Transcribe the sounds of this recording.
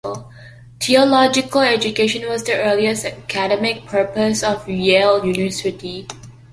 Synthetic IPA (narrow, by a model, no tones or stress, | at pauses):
t̪ʰiəlɔd͡ʒɪkʰəlɛd͡ʒukeʃə̃nwɔsdəʔɜliəsəkʰædɛmɪk̚pʰə˞pəsɔfjeljuniəsɪti